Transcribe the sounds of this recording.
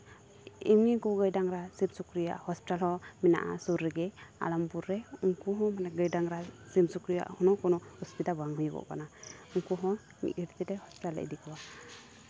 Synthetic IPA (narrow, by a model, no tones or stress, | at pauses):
imniŋkuwɡəjdaŋɾasimsukɾijaʔhɔspitalhɔmɛna̰ʔa̰suɾːɛɡɛa̰lampuɾːɛuŋkuɦɔ̃manɛɡəjdaŋɾasimsukɾija̰ʔhɔnɔkɔnɔhɔspit̪abaŋɦujɡɔ̰ʔka̰nauŋkuɦɔ̃ | nḭkiɾt̪idɛhɔspi̥talːə̰d̪ɛkʰawa